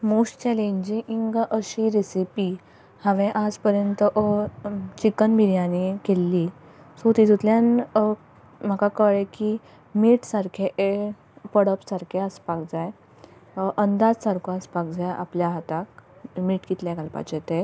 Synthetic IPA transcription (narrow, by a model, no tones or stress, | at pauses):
muɕt͡ɕɛlẽɲd͡ʑĩʔiŋɡʔəɕiɾisipi | hãʋẽʔad͡zpəɾjənt̪əʔ | t͡ɕikənbʱiɾjãnikelːi | sot̪it̪ut̪ljãn | m̤akakəɭeki | miːʈsaɾkʰeʔe | pəɽəpsaɾkʰeəspak̚d͡zaj | ʔənd̪ad͡zsaɾkʰoaspak̚d͡zaja̰pljaɦət̪akmiːʈɡit̪ljaɡalpa̰t͡ɕet̪e